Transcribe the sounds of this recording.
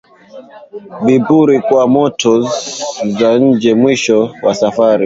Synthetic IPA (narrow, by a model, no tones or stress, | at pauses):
vibuɾikwamɔtʰɔ | zaɲ̩d͡ʒɛmwiʃɔwasafaɾi